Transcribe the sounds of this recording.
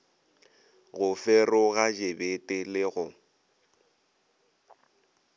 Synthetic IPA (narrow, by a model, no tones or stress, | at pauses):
ɣʊfɛrʊɣad͡ʒebetʼɪlɪɣʊ